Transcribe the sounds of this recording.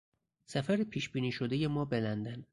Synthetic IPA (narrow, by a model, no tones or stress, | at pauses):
sæfæɾipʰiːʃbiːniːʃod̪eje̞mɒːbelænd̪æn